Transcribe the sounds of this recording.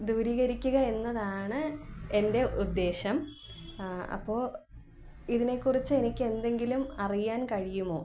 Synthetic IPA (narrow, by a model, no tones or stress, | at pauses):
d̪uːɾiːɣɐɾikʲːuɣɐe̞nːɐðaːɳɨe̞nde̞ud̪ːe̞ːɕɐm | ɐ̰pːo̞ː | iðine̞kːurit͡ɕːɨe̞nikʲːe̞nd̪e̞ŋɡilumɐrijaːnkɐɻijumo̞ː